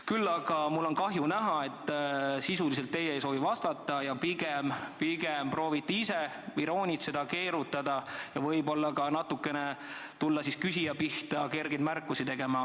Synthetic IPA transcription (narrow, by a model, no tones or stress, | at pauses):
kylːɑɡ̥ɑmulːo̞nkɑɦjunæɦɑe̞t̪ˑːsisuliselt̪ːe̞jeejso̞ːvivɑst̪ɑt̪ːˑɑjɑpiɡempiɡ̥emprɾo̞ːvit̪ːˑiise | viɾo̞ːnʲit̪se̞d̪̥ɑke̞ːɾut̪ːˑɑd̪̥ɑjɑvɤjbo̞lːɑkɑnɑt̪ːukːˑe̞net̪ulːɑsiskysijɑpiht̪ɑke̞rɡed̪mærkˑːusit̪e̞ɡ̥e̞mɑ